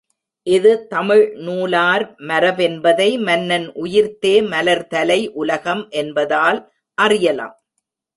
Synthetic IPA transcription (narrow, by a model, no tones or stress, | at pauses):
ʔɪðɯt̪ɐmɪɻnuːlaːɾmɐɾɐʋɛnbɐðɐɪmɐnːɐnʔʊjɪɾt̪eːmɐlɐɾt̪ɐlɐɪʔʊlɐɣɐmʔɛnbɐðaːl | ʔɐrɪjɐla̰ːm